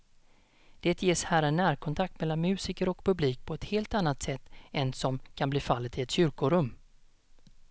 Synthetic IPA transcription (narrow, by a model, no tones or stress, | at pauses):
d̪̥eːt̪jeːshæːɾanæːɾkʰɔnt̪ʰak̚t̪mɛlːanmʉ̟ːsiːkəɾɔkpʰɵbliːk̚pʰɔɛt̪heːlt̪anːat̪sɛt̪ːɛnsɔmkʰanbliːfalːət̪ɪɛt̪ɕʏɾkʊɾɵmː